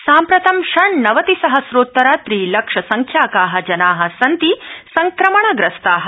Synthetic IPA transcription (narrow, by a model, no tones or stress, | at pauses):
saːmpɾɐt̪ɐmʃɐɳnɐʋɐt̪isɐɦɐsɾoːt̪ːɐɾaːt̪ɾiːlɐkʂɐsɐŋkʰjaːkaːɦɐ̆d͡ʒɐnaːɦɐ̆sɐnt̪isɐŋkɾɐmɐɳɐɡɾɐst̪aːɦɐ